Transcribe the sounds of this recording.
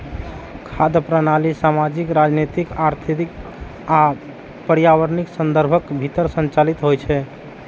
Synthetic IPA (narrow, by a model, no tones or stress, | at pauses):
kʰad̪əpɾənalisamad͡ʒikɾad͡ʒnet̪ikaɾt̪ʰiɾik | a | pəɾjaʋəɾniksənd̪əɾbʱəkbʱit̪əɾsənt͡ʃalit̪ɦojt͡ʃʰɛ